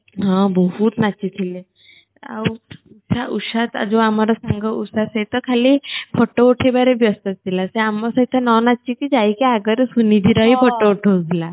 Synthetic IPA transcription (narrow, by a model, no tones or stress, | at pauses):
ɦãbəɦut̪nat͡ɕit̪ʰile | a̰wusaʔusat̪a̰d͡zoamaɾasaŋɡəusaset̪əkʰalipʰɔʈːəoʈʰebaɾebjɔst̪at̪̚t̪ilaseamːasəit̪ʰanɔnat͡ɕikid͡ʑajkiaɡəɾsunid̪ʱiɾaipʰəʈːəoʈʰod͡zla